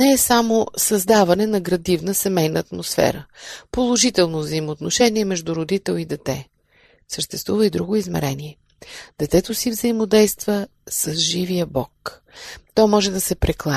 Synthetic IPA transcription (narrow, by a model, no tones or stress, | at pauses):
nɛːsamosɐzd̪avɐnɛnɐɡɾɐd̪ivnəsɛmɛjnəːt̪mosfɛ̰ɾəpolˠoʒit̪ɛlˠnovzəimoːt̪noʃɛniɛmɛʒd̪uɾod̪it̪ɛlˠid̪ɛt̪ɛ | səʃt̪ɛst̪vuvəid̪ɾuɡoizmɛ̰ɾɛniɛ | d̪̥ɛt̪ɛt̪osivzəimod̪ɛjst̪vəsɐzʒivijəbɔk | t̪ɔmɔʒɛd̪ɐsɛpɾɛklˠa